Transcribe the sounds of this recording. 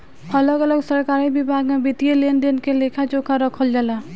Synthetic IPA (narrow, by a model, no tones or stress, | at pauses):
ʌlɔɡəlɔɡsəɾkaɾibibʱaɡmebit̪ielenɖenkelekʰat͡ʃokʰaɾɔkʰəld͡ʒala